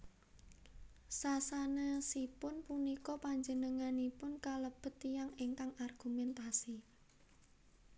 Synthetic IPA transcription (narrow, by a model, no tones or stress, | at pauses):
sasanəsipʊnpunikɔpaɲd͡ʒənəŋanipʊnkaləb̥ə̤t̪ijaŋeŋkaŋarɡ̥umɛnt̪asi